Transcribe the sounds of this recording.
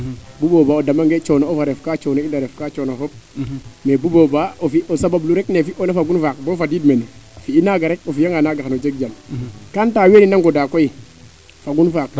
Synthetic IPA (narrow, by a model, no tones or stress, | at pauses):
bubobaodamaŋɡet͡ʃɔnoofaɾɛfkat͡ʃɔnoindaɾɛfkat͡ʃɔnofɔp̚mebubobaofiʔosababluɾɛknefiʔonafaɡunfak̚bɔːfadiːdmenefiinaɡaɾɛk̚ofijaŋanaɡaxnod͡ʒek̚d͡ʒamkantaːweninaŋɡɔdakoi | faɡunfak̚